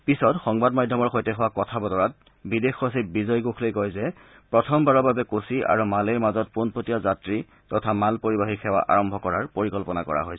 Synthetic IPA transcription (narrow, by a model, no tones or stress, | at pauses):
pisɔtxɔŋbadmadʱɔmɔɹxojtɛxɔwakɔtʰabɔdɔɹat̚ | bidexos̬ip̚bizɔjɡokʰlojkɔjzɛ | pɹɔtʰɔmbaɹɔbabɛkosiʔa̰ɹumaleɹmazɔt̚ponpotijazatɹi | tɔtʰamalpoɹibaxixʰɛwa̰ʔa̰ɹɔmbʱɔkɔɹaɹpoɹikɔlpɔna̰kɔ̰ɹa̰ɦojs